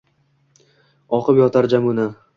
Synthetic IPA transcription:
ɒqɨpjɒt̪ʰaɾd͡ʒamʊna

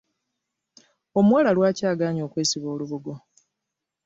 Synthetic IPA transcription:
omwaːlalwaːcaːɡaːɲo̞ːkwe̞ːsiβo̞ːluβuɡo̞

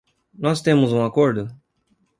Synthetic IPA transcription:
nɔst̪ẽmʊzũakoɾd̪ʊ

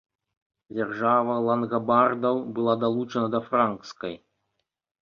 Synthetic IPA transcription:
d͡zʲarʐavɐlˠɐnɣɐbard̪ɐwbɨlˠad̪alˠut͡ʂɐnɐd̪ɐfɾankt̪skɐj

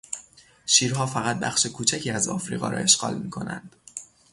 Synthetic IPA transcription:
ʃiːɾɦɒːfæɣæt̪̚bæ̰xʃe̞kʰuːt͡ʃʰæcʰiːæzɒ̰ːfɾḭːɣɒ̰ːɾʔɒ̰ːe̞ʃɢɒ̰ːlmiːkʰo̞næ̰nd̪̥

